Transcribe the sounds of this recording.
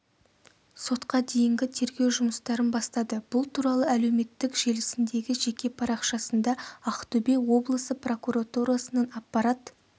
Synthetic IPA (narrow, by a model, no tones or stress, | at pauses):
so̞t̪qɑd̪e̞jɪŋɡʲɪt̪ʰe̞ɾɡʲe̞wʒʊməst̪ɑɾənbɑst̪ɑd̪əb̥ʊlˠt̪ʰuɾɑlˠəæle̞wme̞t̪ːɪkʒe̞lɪsɪnd̪e̞ɡʲɪʒe̞kʲe̞pʰɑɾɑqʃɑsənd̪ɑɑqt̪ɵbe̞wo̞blˠəsəpro̞kuɾat̪uɾasənɑnɑpːɑɾɑt̪